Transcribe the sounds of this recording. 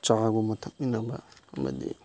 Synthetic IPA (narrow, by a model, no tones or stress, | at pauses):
t͡ʃaaɡomɐtʰak̚minɐbɐɐmɐ̰dḭ